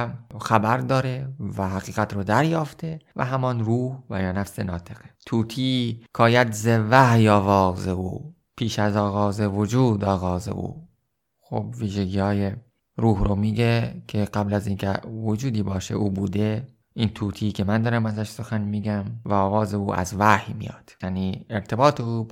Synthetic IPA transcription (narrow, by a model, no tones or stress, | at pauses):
xæbæɾd̪ɒːɾevæɦæɣiːɣæt̪ʰɾod̪æɾjɒːft̪ʰe̞væ̰ɦæmɒnruːhvæjɒːnæfse̞nɒːt̪ʰe̞ɣ̥et̪ʰuːt̪ʰiːkʰɒːjæd̪zevæhjɒːvɒːzeṵː | pʰiːʃæzɒːɣɒːzevod͡ʒuːd̪ɒːɣɒːzḛʔṵː | xo̰b̚viːʒeɡiːhɒːje | ɾuːɦromiːɡekʰe̞ɢæblæziːnkʰḛvod͡ʒuːd̪iːbɒːʃḛʔuːbuːd̪e | ʔint̪ʰuːt̪ʰiːkʰe̞mænd̪ɒːɾæmæzæʃso̞xænmiːɡæmvæɒːɣɒːze̞uːæ̰zvæhjmḭjɒ̰ːd̪̥jæniːeɾt̪ʰe̞bɒːt̪ʰeuː